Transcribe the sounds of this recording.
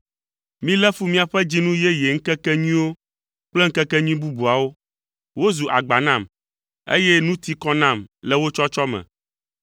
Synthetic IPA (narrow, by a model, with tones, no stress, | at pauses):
mĩ˦lɛ˦fu˦mĩ˦a˨ɸɛ˦d͡ʑi˦nũ˦jɛ˦jɛ˨ŋ̩˦kɛ˦kɛ˦ɲĩ˦wo˦ | k͡plɛ˦ŋ̩˦kɛ˦kɛ˦ɲĩ˦bu˦bu˨a˨wo˦ | wo˦zu˨ʔa̰˨ɡ͡ba˨nã˦˨m | ḛ˦jɛ˦nũ˦t̪i˦kɔ˦nã˦˨mlɛ˨wo˦t͡ʃɔ˦t͡ʃɔ˦mɛ̰̃˨